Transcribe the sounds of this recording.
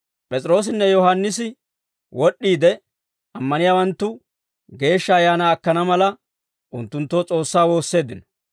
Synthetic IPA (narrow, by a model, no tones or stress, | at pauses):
pʼɛt͡sʼɪɾo̞ːs̬ɪnːɛjɔɦanːɪsɪ | wɔɗːiːd̪ɛ | ɐmːɐnɪjaːwɐnt̪ːʊ | ɡe̞ːʃːɐːjaːnaːkːɐnɐmɐlɐ | ʔʊnt̪ːʊnt̪ːoːt͡sʼo̞ːsːaːwo̞ːsːe̞ːd̪ɪnɐ